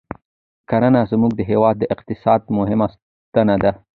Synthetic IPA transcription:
kaɾanazmuɡd̪əɦewɑd̪ːəʔɪqt̪ɪsɑd̪mʊɦɪmas | t̪ənad̪a

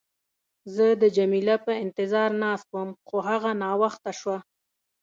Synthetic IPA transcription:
zəd̪əd͡ʒamilapəɪnt̪ɪzɑɾnɑst̪wəmxoɦaɣanɑwaxt̪aʃwa

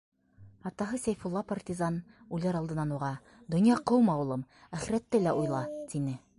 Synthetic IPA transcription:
ɑt̪ɑɦɤsæjfulˠːɑpart̪ʲizɑn | ʉlæɾɑlˠd̪ɤ̆nːɑnuʁɑ | d̪ŏnjɑqɤwmɑwɤ̆lˠɤmæχiɾæt̪ːælæʔujlˠɑt̪inɘ

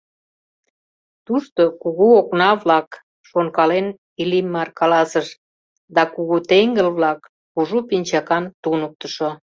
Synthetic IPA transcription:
t̪uʃt̪okuɣuoknɑβlɑk | ʃonkɑlen | ilimɑrkɑlɑsəʃ | d̪ɑkuɣut̪eŋɡəlβlɑkː | uʒupinʲt͡ɕɑkɑnt̪unək̚t̪əʃo

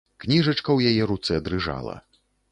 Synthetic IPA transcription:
knʲiʐɐt͡ʂkɐwjajɛɾut̪sɛɐd̪ɾɨʐa̰lˠɐ̰

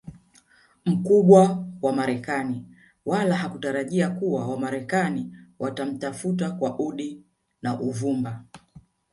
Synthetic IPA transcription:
m̩kuɓwawamaɾɛkani | walaɦakutaɾaʄiakuwawamaɾɛkaniwatam̩tafut̬akwaʔuɗi | naʔuvumba

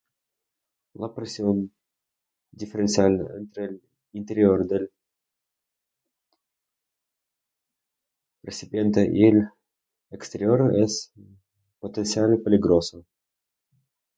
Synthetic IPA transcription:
lˠɐpɾesʲion | dʲifʲeɾentsialʲnəɛnt̪ɾəlʲ | int̪eɾʲioɾd̪elʲ | pɾesʲipʲjent̪əʔilʲ | ekst̪eɾʲioɾəʔɛs | pot̪ent̪sialʲpʲelʲiɡɾosə

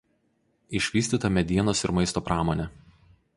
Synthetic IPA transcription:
ɪʃʲʋʲiːsʲt̪ʲiːt̪ɐmʲɛd̪ʲiɛnoːsɪɾmɐɪst̪oːpɾɑːmonʲɛ

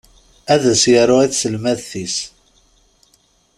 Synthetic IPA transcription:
æðæsjəɾˤʊæθsəlmæðθis

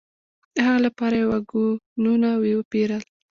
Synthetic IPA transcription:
haɣalapɑɾajwaɡununawewəpeɾəl

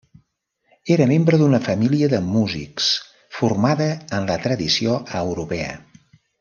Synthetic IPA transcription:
eɾəmembɾəðunəfəmiliəðəmuzḭks | furmaðəːnlət̪ɾəðisioəwɾupɛə̰

